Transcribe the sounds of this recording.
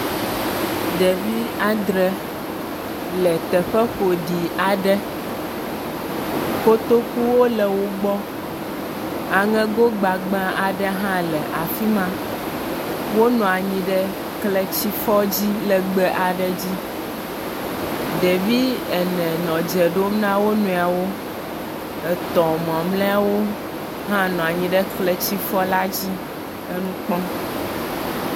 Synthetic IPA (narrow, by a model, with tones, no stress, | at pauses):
ɖɛ˨vi˦a˦d̪ɾɛ˨ | lɛ˨t̪ɛ˨ɸɛ˦xo˨ɖi˨a˨ɖɛ˦ | fo˦t̪o˦ku˦wo˦lɛ˨wo˦ɡ͡bɔ˦ | a˨ŋɛ̃˦ɡo˦ɡ͡ba˨ɡ͡bã˦ʔa˨ɖɛ˦ɦã˦lɛ˨ʔa˨fi˦mã˦ | wo˦nɔ̃˨a˨ɲĩ˦ɖɛ˦ | klɛ˦t͡ɕi˦fɔ˦d͡ʑi˦lɛ˨ɡ͡bɛ˨˦ʔa˨ɖɛ˦d͡ʑi˦ | ɖe˨vi˦ɛ˨nɛ̃˨nɔ̃˨d͡ʒɛ˨ɖo˦mnã˦wo˦nũ˨a˨wo˦ | ɛ˨t̪ɔ̃˨mɔ̃˨mlɛ̃˦a˦wo˦ | ɦã˦nɔ̃˨a˨ɲĩ˨ɖɛ˦klɛ˦t͡ɕi˦fɔ˦la˦d͡ʑi˦ | ɛ˦nũ˦k͡pɔ̃˦